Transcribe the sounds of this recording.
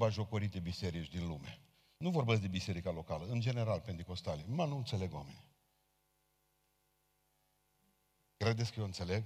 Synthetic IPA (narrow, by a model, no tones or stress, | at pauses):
baʒo̞koɾit̪e̞bise̞ɾit͡ʃʲd̪inlume̞ | nuvo̞rbet̪sʲd̪e̞bise̞ɾikalo̞kaləɨnd͡ʒe̞ne̞ɾalpe̞nt̪iko̞st̪alemanuɨnt̪se̞le̞ɡwameni | kɾe̞d̪esʲkəjewɨnt̪se̞le̞ɡ